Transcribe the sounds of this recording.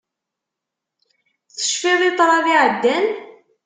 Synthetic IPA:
θθə̥ʃfiðˤit̪ˤɾˤɑðiʕəd̪ːæn

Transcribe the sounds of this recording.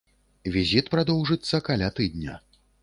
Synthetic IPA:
vʲizʲit̪pɾad̪ɔwʐɨt̪sːɐkalʲat̪ɨd̪nʲɐ̰

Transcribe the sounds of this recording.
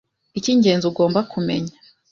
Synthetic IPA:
iciɲɟe̞ːnzuɡo̞ːmbakʰume̞̰ɲḁ

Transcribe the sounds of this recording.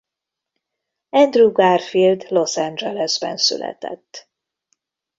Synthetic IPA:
ɛnd̪ruɡarfild̪lo̞sand͡ʒɛlɛzbɛnsy̰lɛ̰t̪ɛ̰t̪ː

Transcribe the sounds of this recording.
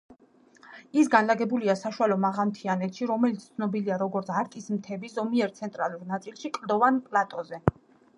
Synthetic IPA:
isɡanlaɡɛbuliasaʃualɔmaʁamt̪ʰianɛt̪ʃiɾɔmɛlit̪sʰt̪ʰnɔbiliaɾɔɡɔɾt̪sʰaɾk̪ʼismt̪ʰɛbizɔmiɛɾt̪sʰɛnt̪ʼɾa̰lˠuɾnat̪sʼilˠʃikʼld̪ɔvanpʼlat̪ʼɔzɛ

